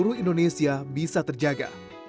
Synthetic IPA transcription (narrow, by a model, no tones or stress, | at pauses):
uɾuindonesiabisat̪ərd͡ʒaɡa̰